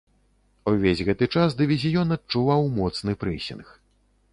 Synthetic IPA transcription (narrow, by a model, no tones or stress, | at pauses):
uvʲezʲɣɛt̪ɨt͡ʂasd̪ɨvʲizʲijɔnɐt̪̚t͡ʂuvawmɔt̪snɨpɾɨsʲḭnx